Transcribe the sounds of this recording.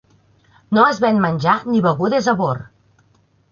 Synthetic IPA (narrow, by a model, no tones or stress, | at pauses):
noəzβɛnmənʲʒaniβəɣuðezəβor